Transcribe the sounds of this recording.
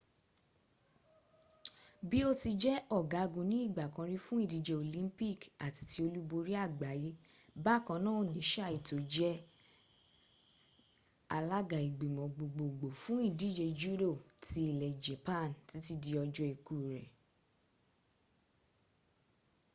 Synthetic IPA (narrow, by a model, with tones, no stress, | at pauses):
bi˦o˦ti˧d͡ʒɛ˦ɔ˦˨ɡa˨˦˧ɡũ˨nĩ˨˦i˦˨ɡ͡ba˨kã˨˧ɾi˦fũ˦i˦˨di˨˦d͡ʒɛ˧o˧˨lĩ˦pi˦˨ka˨ti̥˨˧ti˧˦o˧lu˦bo˧ɾi˦a˦˨ɡ͡ba˨˦ji˨˦ | ba˦˨kã˧nãː˦˨o˨nĩ˨˦ʃa˦˨i˨to˨d͡ʒɛ˦ | a˧la˦ɡa˨i˨ɡ͡be˨mɔ̃˨ɡ͡bo˨ɡ͡bo˨ɡ͡bo˨fũ˨˦i˦˨di˦d͡ʒɛ˧d͡ʒu˦do˦˨ti˦i˦˨lɛ˨d͡ʒɛ˨pã˦˨nti˨˦ti˦di˧ɔ˧d͡ʒɔ˦i˧ku˨ɾɛ˨